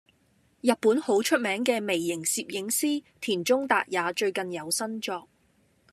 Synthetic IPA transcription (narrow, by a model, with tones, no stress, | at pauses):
jɐ˨t̚pːuː˨˥nho˨˥wt͡ʃʰɵ˥t̚mɛː˨˥ŋkɛː˧me˨˩jːɪ˨˩ŋsiː˨p̚jɪ˨˥ŋsiː˥t̪ʰiː˨˩nt͡ʃʊ˥ŋt̪a̰ː˨k̚jaː˨˧t͡ʃɵ˧ɥkɐ˨njɐ˨˧wsɐ˥nt͡ʃɔː˧k̚